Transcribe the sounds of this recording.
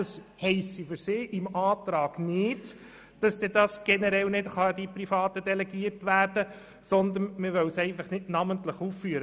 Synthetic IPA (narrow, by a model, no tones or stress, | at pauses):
ɑshɛɪsifʏɾsɪːʔɪmɑːtɾɑːɡ̥nɪd | d̥ɑsd̥ɛdɑsɡ̥ɛnɛɾɛlnɪtχɑdiprifɑːt̪ədɛlɛɡiːəɾtʋæːɾd̥ə | sɔnd̪ənmɪɾʋœwsɛɪfɑχnɪdnɑməntləχuːfːyəɾə